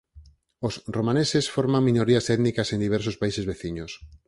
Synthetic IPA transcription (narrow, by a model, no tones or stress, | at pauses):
osromãnesesfoɾmãŋmĩnoɾiasɛt̪nikasẽnd̪iβɛɾsospaisezβeθiɲos